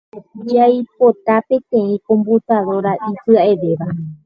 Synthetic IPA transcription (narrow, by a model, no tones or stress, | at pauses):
ajpot̪apẽ̞t̪ẽ̞ĩkõ̞mbut̪aðo̞ɾaʔisɨaʔeʋeʋa